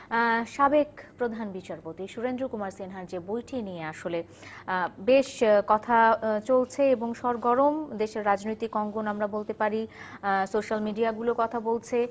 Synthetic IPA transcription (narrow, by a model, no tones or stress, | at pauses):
ʃabekpɾod̪ʱanbit͡ɕaɾpot̪iʃuɾend̪ɾukumaɾsenɦaɾd͡ʑebojʈʰinijeaʃole | beʃkɔt̪ʰat͡ɕolt͡ɕʰeeboŋʃɔɾɡɔɾomd̪eʃeɾːad͡ʑnojt̪ikɔŋɡonamɾabolt̪epaɾisoʃalmiɖiaɡulokɔt̪ʰabolt͡ɕʰe